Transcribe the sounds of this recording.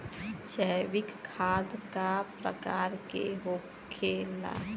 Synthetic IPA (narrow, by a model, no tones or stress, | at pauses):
t͡ʃəʋɪkʰːad̪kapɾə̰kaɾkḛɦo | ela̰